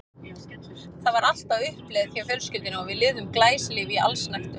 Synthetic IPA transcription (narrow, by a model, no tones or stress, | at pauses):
θaðvaɾal̥t̪avʏhplɛðθjawfjœɾscʏt̪ɪnaɔvɪðlɪðʏmklaːjslɪvia̰lsnajxt̪ʏ